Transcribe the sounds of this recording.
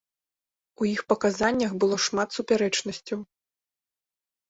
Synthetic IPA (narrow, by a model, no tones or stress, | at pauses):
ujixpɐkazanʲːɐɣbɨlˠɔʂmat̪supʲaɾɛt͡ʂnɐsʲt͡sʲɐw